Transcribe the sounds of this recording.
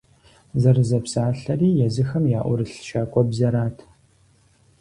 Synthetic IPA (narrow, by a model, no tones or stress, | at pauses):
zɐrɨzɐpsaːɬɐriːjɛzɨxɐmjaːʔʷʊɾɨɬʃaːkʷʼɔbzɐɾaːtʰ